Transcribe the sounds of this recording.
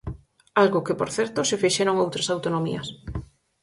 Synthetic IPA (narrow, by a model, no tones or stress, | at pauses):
alɣokɪpoɾθɛɾt̪osefeʃeɾoŋowt̪ɾasawt̪onomḭɐs